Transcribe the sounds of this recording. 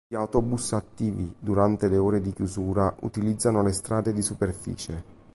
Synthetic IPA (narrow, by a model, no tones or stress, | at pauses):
iawt̪ɔbusat̪ːiːvid̪uɾant̪eleoːɾed̪ikjuzuːɾaʔṵt̪ilid̪zːanolest̪ɾaːd̪ed̪isuperfḭːt͡ʃe